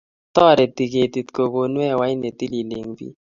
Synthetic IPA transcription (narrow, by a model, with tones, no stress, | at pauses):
t̪ɔ˦˨ɾɛ˨t̪i˨ke˨t̪i˨t̪ko˨ko˨nwɛ˦˨wa˨˦i˦ne˨t̪i˦li˨le˨ŋbḭ˦